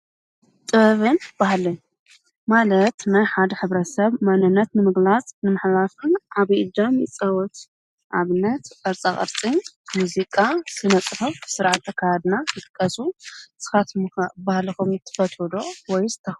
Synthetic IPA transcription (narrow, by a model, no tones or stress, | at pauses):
t̪ʼɨβɨnb̥ahlɨɲ | malɐt̪najħad̪ɐħɨβɾɐt̪sɐβmanɨnːɐt̪nɨmɨɡlat͡sʼnɨmɐħlafɨnʕaβid̪ɐmit͡sʼɐwɔt̪ | ʕa̰βɨnːɐt̪kʼɐɾt͡sʼaχʼɐ̰ɾt͡sʼinmuzikʼasɨnɐt͡sʼɨfɐfɨ̥sɨɾʕat̪ʰːɐkʰːajad̪najɨt̪ʼɨkʼːɐsusɨ̥xat̪mabahlɐkumɨt̪ʰːɨ̥fɐt̪ʰɔd̪owɔjzt̪ʰːɐx